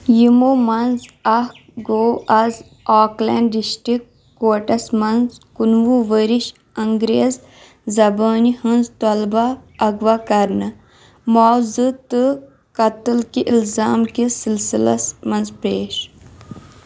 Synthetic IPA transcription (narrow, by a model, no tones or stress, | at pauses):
jimomɐnzɐh | ɡoːɐz | aːklɛ̰ɳɖɖiʃʈikː | oːʈɐsmɐnzkunʋuʋəɾiʃ | ɐŋɡɾeːz | zɐbaːnihɐnzt̪olbɐːɡʋakɐɾnɐ | mɔːzɨt̪ɨ | kɐt̪ɨlkiʔilzaːmkisilsilɐ̰smɐnzpeːʃ